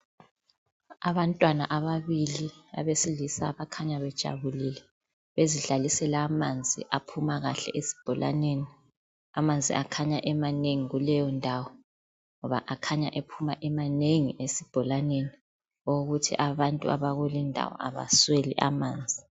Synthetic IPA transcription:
aβantʼwana̰ʔaβaβilia̰βesilisa̰βakʰaɲaβɛd̥ʒ̥ʱa̰βulilɛ | βeziɮalisɛlamand͡zʱḭʔapʰumaɣaɬɛ̰ʔesi̥b̥ʱɔlʔa̰neni | amand͡zʱḭʔakʰaɲaʔɛmaneŋiɣulɛjɔndʱawɔ | ŋɔβa̰ʔakʰaɲaʔepʰumaʔɛmaneŋḭʔesib̥ʱɔlaneni | oɣutʰḭʔaβantʼṵa̰βaɣulindʱa̰wɔ̰a̰βa̰swelḭʔa̰maːnd͡zʱi

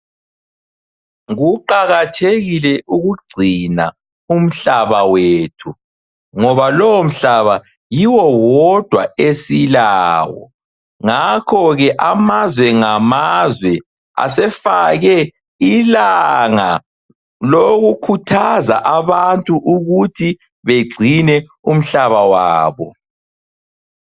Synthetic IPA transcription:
ɣuǃaɣatʰeɣilɛʔuɣuɡ͡ǀʱina̰ | um̩ɬaβaweːtʰu | ŋɔβalɔwom̩ɬaβa | jiwɔwɔd̥ʱwaesilaːwɔ̰ | ŋakʰɔɣɛʔamazwɛŋamazwɛ | a̰sɛfaɣɛ | ilaŋa | loɣukʰutʰazaʔaβantʼuʔuɣutʰi | βeɡ͡ǀʱinɛ | um̩ɬaβawaːβɔ̰

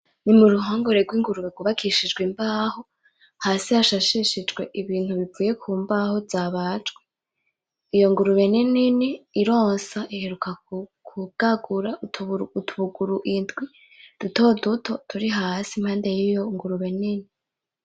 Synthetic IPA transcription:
nimuɾuɦoːŋɡoɾe̞ɡwiːŋɡuɾuβeɡwuβakʰiʃid͡ʒɡwimbaːho̞ | haːsihaʃaʃiʃid͡ʒɡwe̞ʔiβiːn̥huβivuːje̞kʰuːmbaːho̞zaːβat͡ʃɡwe | ijo̞ŋɡuɾuβe̞nininiːɾo̞ːnsaʔihe̞ɾukakʰuɡ̥aɡuɾatʰuβuɡuɾuʔindɡwi | d̥uto̞dutʰo̞tʰuɾiɦasim̥haːnde̞jijoŋɡuɾuβe̞nini

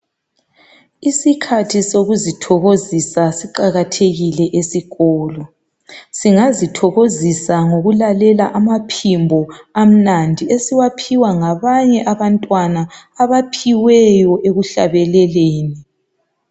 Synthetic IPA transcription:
isikʰatʰisoɣuzitʰɔɣozisasiǃaɣatʰeɣilɛʔesiɣɔːlɔ | siŋazitʰɔɣozisaŋoɣulalɛlaʔamapʰimbʱɔam̩nandʱiesiwapʰiwaŋaβaɲɛʔaβantʼwana | aβapʰiwɛjɔʔeɣuɬa̰βɛlɛleːni

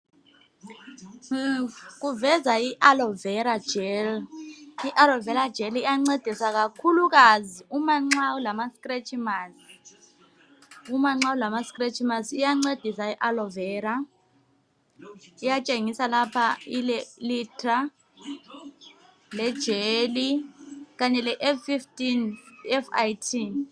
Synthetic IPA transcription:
k̬uvɛzaiʔalɔvɛɾad̥d͡ʒ̥ʱɛl | iʔalɔvɛɾad̥d͡ʒ̥ʱɛlijaŋ͡ǀed̥ʱisak̬akʰuluk̬aziumaŋ͡ǀawulamaskʼret͡ʃʰʼimasi̥ | umaŋ͡ǀawulamaskʼret͡ʃʰʼimasijaŋ͡ǀed̥ʱisaiʔalɔvɛːɾa | ijat͡ʃʼeŋisalapʰailɛlitʰʼra | lɛd̥ʒ̥ʱelik̬aɲɛlɛʔɛfiftʼinɛfajtʰin

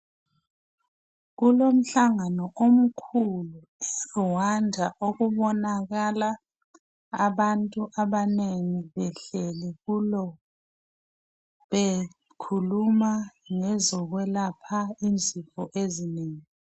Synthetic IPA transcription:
ɣulom̩ɬaŋanɔʔom̩kʰulu | wandʱaʔoɣuβɔnaɣala | aβantʼuʔaβaneŋiβɛɬɛliɣulɔ | βe | kʰulumaŋɛzɔɣwɛlapʰaind͡zʱifɔʔezineːŋi

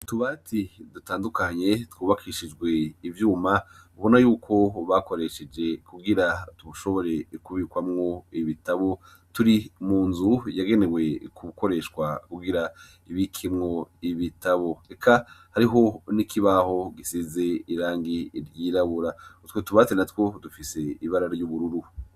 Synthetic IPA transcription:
tuβatʰidutaːndukʰaɲe̞twuːβakʰiːʃid͡ʒɡwe̞ivjuːma | uβo̞najuːkʰo̞βako̞ɾe̞ʃe̞d͡ʒe̞kuɡiɾatuβuʃo̞βo̞ɾe̞kuβiːkwamŋo̞iβitaβo̞ | tuɾimuːnzujaɡe̞ne̞we̞kʰuko̞ɾe̞ːʃwakuɡiɾa | iβikʰimŋo̞iβitʰaβo̞ekʰahaɾiɦo̞nikʰiβaho̞ɡisize̞iɾaːŋɡiɾjiɾaβuɾatwetuβatenatwo̞dufise̞iβaɾaɾjuβuɾuɾu

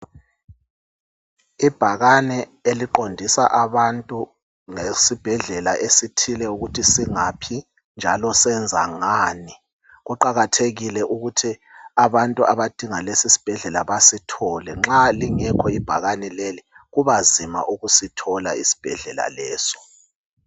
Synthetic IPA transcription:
ib̥ʱaɣanɛ | eliǃondʱisa̰ʔaβantʼu | ŋesib̥ʱɛɮɛlaʔesitʰilɛuɣutʰisiŋapʰi | nd͡ʒʱalɔsɛnd͡zʱa̰ŋaːni | ɣuǃaɣatʰeɣilɛʔuɣutʰi | aβantʼuaβad̥ʱiŋalesisi̥b̥ʱɛɮɛlaβasitʰɔlɛŋ͡ǁaliŋɛkʰɔib̥ʱaɣanɛleliɣuβazima̰ʔuɣusitʰɔla̰ḭsi̥b̥ʱɛ̰ɮɛ̰la̰lɛːsɔ̥

